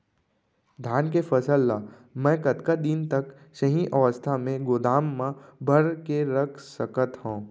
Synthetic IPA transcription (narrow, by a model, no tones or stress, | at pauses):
d̪ʱaːnkefɐsəlːa | mɛ̃ːkɐt̪kad̪int̪ɐk | ʃɐɦĩʔɐʋəst̪ʰamẽɡʊd̪aːmːãbʱɐɾkeɾɐkʰsəkət̪hõː